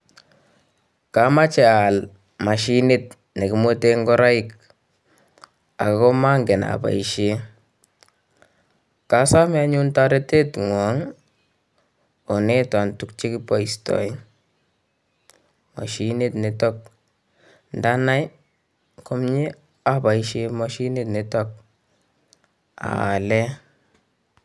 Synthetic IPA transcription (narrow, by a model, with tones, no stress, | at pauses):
ka˨ma˦t͡ʃɛ˨al | ma˨ʃi˦ni˦t̚ | ne˨ki˨mo˦te˦ŋɡɔ˦ɾa˦i˦k | a̰˨akɔ˦ma˦ŋɡe˨na̰pa̰˨i˨ʃe˦ | ka˦sa˦mɛa˦ɲu˦nta˦ɾe˦te˦tŋwa˨˦ŋ | o˨ne˦ta˨ntu˦k̚t͡ʃi˦ki˦pɔ˨i˨stɔ̰˨i˦ | mɔ̰˨ʃi˦ne˦tne˨tɔ˦k̚ | nda˦na˦j | ko˦mɲi˦ | a˨ba˨iʃe˦mɔ˦ʃi˦ne˦tni˨tɔ˦k̚ | a̰˨a˨lɛ˦